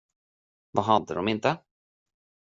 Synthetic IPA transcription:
vaɦad̪ːəd̪ɔmɪnt̪ə

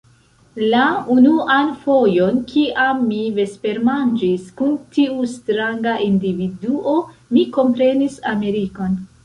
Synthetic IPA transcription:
launuanfo̞jo̞nkiʔamːive̞spe̞ɾmand͡ʒiskuntiustɾaŋɡaʔindividuʔo̞miko̞mpɾe̞nisame̞ɾiko̞n

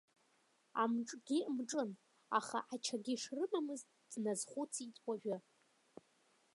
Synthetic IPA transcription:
a̰mʈ͡ʂʼɡ̥ʲimʈ͡ʂʼɨn | a̰χa̰ʔat͡ʃʰaɡʲiʂrɨmamɨztʼ | d̥nazχʷut͡sʰit͡sʼwʷʼaʒᶣʊ

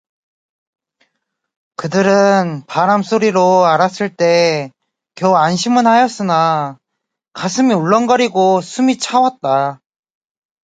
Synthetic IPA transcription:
kɯdɯɾɯnpaɾamsʰoɾiɾoaɾas͈ɯɭt͈e̞ | kjʌanɕʰimɯnhajʌs͈ɯna | kasʰɯmioɭːʌnɡʌɾiɡosʰumit͡ɕʰawat̚t͈a

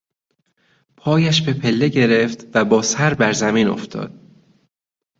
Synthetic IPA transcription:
pʰɒːjæʃbe̞pʰe̞lːe̞ɟe̞ɾe̞ft̪væbɒːsæɾbæɾzæmiːno̞̰ft̪ʰɒ̰ːd̪̥̚

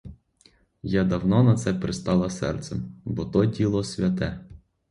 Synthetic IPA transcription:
jad̪ɐwnɔnɐt̪sɛpɾɪst̪ɑlˠɐsɛ̰rt̪sɛ̰mbɔt̪ɔdʲilˠɔsʲʋʲjɐt̪ɛ

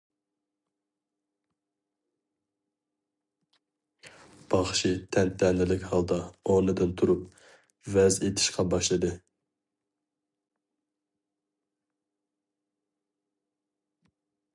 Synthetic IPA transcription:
b̥ɑχʃit̪ʰɛnt̪ʰɛnɪlɪkʲhɑlˠd̪ɑonɨd̪ɨnt̪ʰuɾup̚ | vɛzet̪ʰɪ̥ʃqʰɑbɑʃlˠɨd̪ɨ

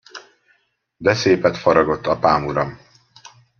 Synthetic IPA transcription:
bɛseːpɛt̪fɒɾɒɡo̞t̪ːɒpaːmuɾɒm

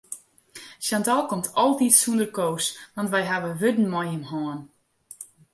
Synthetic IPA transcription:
sjantɔlˠkɔmtʰɔlˠtitsundərkoːsʋɑntʋɛjɦaʋəʋødn̩mɔjəmhɔːn

